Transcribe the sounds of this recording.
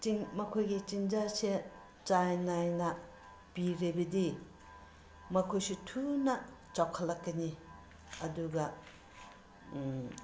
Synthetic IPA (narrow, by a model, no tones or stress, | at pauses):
t͡ʃiŋmɐkʰojɡit͡ʃind͡ʒase | t͡ʃajnajnɐ | piɾibɐdi | mɐkʰojsitʰunɐ | t͡ʃawkʰɐlːɐkːɐni | ɐduɡɐ